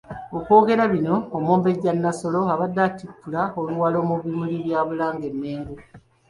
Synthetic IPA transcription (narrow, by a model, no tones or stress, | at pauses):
oko̞ːɡe̞ɾaβino̞ːmoːmbe̞ɟanːaso̞lo̞aβadːaːtikːulaoluwalo̞muβimuliβjaːβulaːŋɡe̞mːeːŋɡu